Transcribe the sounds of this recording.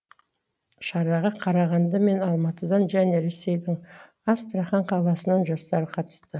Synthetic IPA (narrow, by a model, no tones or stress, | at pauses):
ʃɑɾɑʁɑqʰɑɾɑʁɑnd̪ɑme̞nɑlˠmɑt̪əd̪ɑnʒæne̞ɾe̞sːe̞jd̪ɪŋ | ɑst̪ɾɑχɑɴqʰɑlˠɑsənɑnʒɑst̪ɑɾəqʰɑt̪ə̥st̪ə